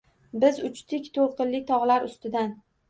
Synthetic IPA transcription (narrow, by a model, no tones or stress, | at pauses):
bɪzʊt͡ʃt̪ʰɪkʲt̪ʰoɾqɨnlɪkʲt̪ʰɒʁlaɾʊst̪ɪd̪an